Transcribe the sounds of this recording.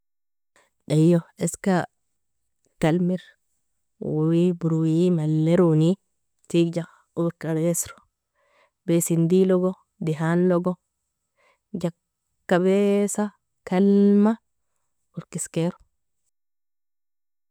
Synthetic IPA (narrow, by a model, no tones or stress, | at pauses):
ɗajːɔɛska | kalmiɾ | wwibuɾuwimalːɛɾuni | tiɡd͡ʒa | uɾkaɾɛsɾɔ̥ | bɛsind̪ilɔɡɔ | diɦanlɔɡɔ | d͡ʒakː | abɛsa | kalma | uɾkiskɛɾɔ̥